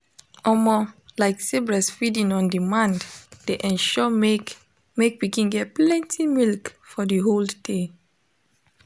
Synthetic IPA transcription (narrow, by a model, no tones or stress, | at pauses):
ʔɔmɔlaɪksebɹɛsfidĩŋɔ̃ndimãndd̥eʔɛ̃nʃɔ | mek̚pikĩnɡɛt̚plɛ̃ntʰimilkfɔdiɦolde